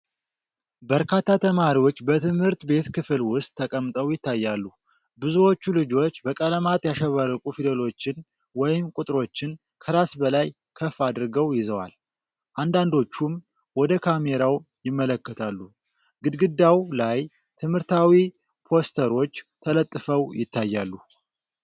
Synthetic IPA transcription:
bəɾkʰat̪ʰːat̪ʰəmaɾiwo̞t͡ʃːbət̪ʰɨmhɨɾt̪be̞t̪kʰɨflwʊst̪ʼʰːəkʼəmt̪ʼəwjɪt̪ːajːalːu | bɨzuwo̞t͡ʃːulɨd͡ʒo̞t͡ʃːbəkʼələmat̪ʼjaʃɛβarːəkʼufid̪elo̞t͡ʃːɪn | wɔjɪmkʼut̪ʼɾo̞t͡ʃːɪn | kʰəɾasbəlaj | kʰəfad̪ɾɡəwjɪzəwa̰l | ʔand̪and̪o̞t͡ʃːum | wɔd̪əkʰame̞ɾawjɪmːələkːət̪ʰalːu | ɡɨd̪ɡɨd̪ːawlaj | t̪ʰɨmhɨɾt̪ʰawi | pʰo̞st̪ʰəɾo̞t͡ʃːt̪ʰələt̪ʼːɨfəwjɪ̰t̪ʰːajːalːu

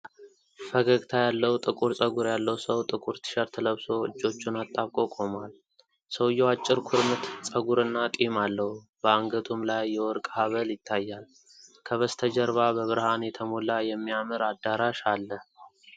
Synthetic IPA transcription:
fəɡəɡt̪ʰajalːəwt̪ʼɨkʼuɾsʼəɡuɾjalːəwsəwt̪ʼɨkʼuɾt̪ʰɨ̥ʃəɾt̪ʰələβso̞ɨ̰d͡ʒːo̞t͡ʃːunat̪ʼːaβkʼo̞kʼo̞mal | səwjːɛwat͡ʃʼːɪɾkʰuɾmɨt̪sʼəɡuɾɨnːat̪ʼimalːəhu | b̥əaŋɡət̪ʰumlajːɛwɔɾkʼhaβəljɪt̪ʰːajːal | kʰəβəst̪ʰəd͡ʒəɾβabəβɨɾhanjɛt̪ʰəmulajɛmːijamɨɾad̪aɾaʃalːə

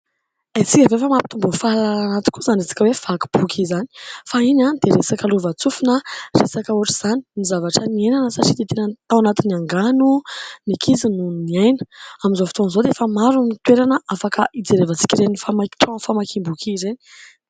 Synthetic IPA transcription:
at͡sikʲəvefəmapi̥t̪umbufalaanat̪i̥kuzanisi̥kʲəwefaki̥b̥ukʰizani̥fainanid̪̥eɾesakəluvat͡sufunaresakəuaʈ͡ʂiz̥ani̥mizavaʈ͡ʂənienanəsaʈ͡ʂid̪et̪enət̪awanat̪iniaŋɡanunikʰizinuniajnə̥amizofi̥t̪onzod̪efəmaɾunit̪weɾanəʔafakəʔid͡zeɾevət͡si̥kʲiɾenifamakʈ͡ʂɔ̃famakʰimbukʰizeni̥

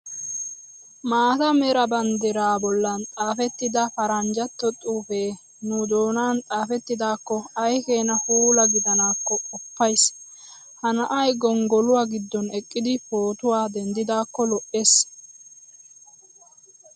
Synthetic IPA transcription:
maːt̪ɐmɛɾɐbɐnd̪ɛɾaːbɔlːɐnt͡sʼaːfɛt̪ːɪd̪ɐfɐɾɐnd͡ʒɐt̪ːɔt̪ʼuːfeː | nʊd̪o̞ːnaːnt͡sʼaːfɛt̪ːɪd̪aːkːɔɐjkeːnɐhuːlɐɡɪd̪ɐnaːkːɔkʼɔpːɐjs | hɐnɐʔɐjɡɔŋɡɔlʊwaːɡɪd̪ːɔnɛkʼːɪd̪ɪpoːt̪ʊwaːd̪ɛnd̪ɪd̪aːkːɔlɔʔe̞ːs

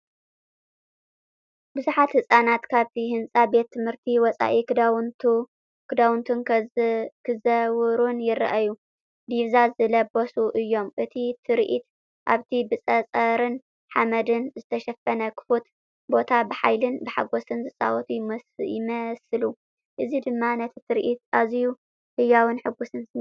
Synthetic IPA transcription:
bɨzuħat̪hɨsʼanat̪kʰaβt̪ʰiɦɨnt͡sʼabe̞t̪ʰːɨmhɨɾt̪ʰiwɔt͡sʼa̰ʔikd̪w | kʰɨd̪awnt̪ʰun | kʰɨzɐwɨɾunjɪrʔaju | d̪iβzazɨlɐbosuʔɨjːo̞mʔɨt̪ʰit̪ʰɨɾʔit̪ | ʔaβt̪ʰibɨt͡sʼɐt͡sʼɐɾɨn | ħamɐd̪ɨnzɨt̪ʰɐʃɐfɐnɐkʰɨ̥fot̪ | bo̞t̪ʰabɨħa̰jlɨnbɨħa̰ɡo̞sɨnzɨsʼa̰wɔt̪ʰujmɐjɪmɐsɨlu | ʔɨzid̪ɨmːanɐt̪ʰi̥t̪ʰɨɾʔit̪̚ʔazju | hɨjːawɨnħɨɡusɨnsɨ

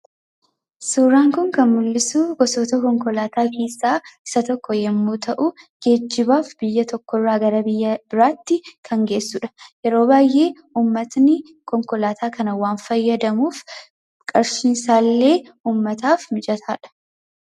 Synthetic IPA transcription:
suːɾaːŋkʊŋkɐnmʊlːɪsuːɡɔsɔt̪ɐkɔŋkɔlaːt̪aːkʰe̞ːsːaːɪsɐt̪ɔkːɔjɛmːuːt̪ʰɐʔʊ | ɡ̥e̞ːd͡ʒːɪbaːfb̥ɪjːɐt̪ɔkːɔrːaːɡɐɾɐbɪjːɐbɪɾaːt̪ːɪkʰɐŋɡe̞ːsːuᶑɐ̥jɛɾo̞ːbaːjʔe̞ː | uːmːɐt̪nɪ | kɔŋkɔlaːt̪ʰaːkɐnɐwaːnfɐjːɐd̪ɐmuːf | kʼɐɾsiːnsaːlːe̞ː | uːmːɐt̪aːfmɪd͡ʒɐt̪ʰaːᶑɐ̥

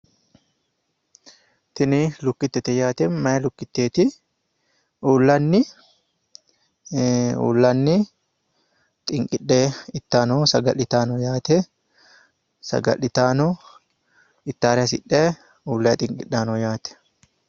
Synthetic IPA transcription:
t̪ɪnɪlʊkːɪt̪ːɛt̪ɛjaːt̪ɛnmɐjɐlʊkːɪt̪ːeːt̪ɪ | uːlːɐnːɪ | ṵːlːɐnːɪ | t̪ʼɪŋkʼɪᶑeɪt̪ːaːnosɐɡɐlːɪt̪aːnɔjaːt̪ɛ | sɐ̰ɡɐ̰lɪt̪aːno | ɪt̪ːaːɾɛs̬ɪᶑːeː | uːlːɐt̪ʼɪŋkʼɪɗːaːnojaːt̪ɛ̥

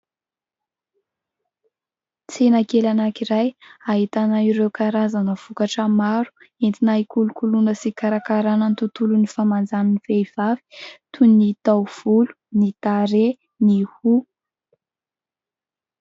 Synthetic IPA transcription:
t͡senakelanakiɾajaɦit̪anaiɾewkaɾazanəv̥ukaʈ͡ʂəmaɾu̥ | ent̪inaikulukulunəsikaɾakaɾanənt̪ut̪ulunifamand͡zaninifejv̥avi̥t̪ʰunit̪awv̥ulu̥nit̪aɾe | nihu

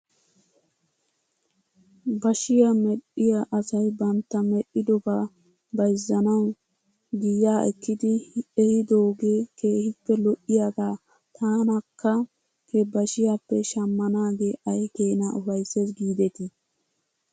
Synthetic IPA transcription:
bɐʃɪjɐmɛɗɪjɐʔɐsɐjbɐnt̪ːɐmɛʔɪd̪ɔbɐ | bɐjzːɐnɐw | ɡɪjaːʔɛ̰kːɪd̪ɪɛhɪd̪oːɡeːkeːhɪpːɛlɔʔːɪjaɡaː | t̪ʰaːnɐkːɐ | kʰɛbɐʃɪjapːɛʃɐmːɐnaːɡeːʔɐjkeːnɐʔʊfɐjsːesɡiːd̪ɛt̪ɪ

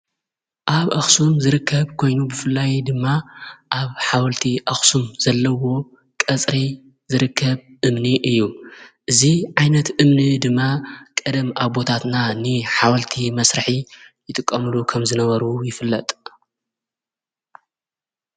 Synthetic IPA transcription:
ʔaβʔaxsumzɨɾɨkʰːɐβkʰo̞jnubɨfɨlːajd̪ɨmːaʔaβħawɐlt̪ʰiʔɐxsumz̥ɐlːɐwo̞ | kʼɐt͡sʼɾi | zɨɾɨkʰːɐβʔɨmniʔɨjːuʔɨziʕajnɐt̪ʔɨmnid̪ɨmːakʼɐd̪ɐmʔaβo̞t̪ʰat̪nanɨħawɐlt̪ʰimɐsɾɨħijɪt̪ʼɨkʼːɐmɨlukʰɐmzɨnɐβɐɾujɪfɨlːɐt̪ʼ

